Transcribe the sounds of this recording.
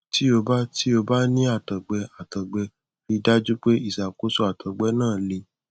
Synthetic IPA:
ti˦o˧ba˦ti˦o˧ba˦nĩ˦a˦˨tɔ˨ɡ͡bɛ˧a˨tɔ˨ɡ͡bɛ˧ | ɾi˨˧˦da˦d͡ʒu˦k͡pe˦i˦˨sa˨ko˦so˦a˨tɔ˨ɡ͡bɛ˨˦nãː˦˨li˧˦

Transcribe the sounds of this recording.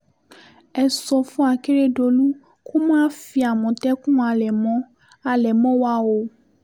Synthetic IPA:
ɛ˨sɔ˧fũ˦a˨ke˦ɾe˦ɖo˧lu˦ | kʰo˦mã˦fi˨a˨mɔ̃˨t̪ɛ˦kũ˦a˨lɛ˨mɔ̃˦ | a˨lɛ˨mɔ̃˦wa˨wo˨

